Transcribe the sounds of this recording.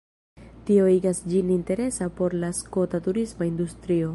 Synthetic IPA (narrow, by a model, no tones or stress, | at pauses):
tio̞iɡasd͡ʒininte̞ɾe̞sapo̞ɾlasko̞tatuɾismaind̪ust̪ɾio̞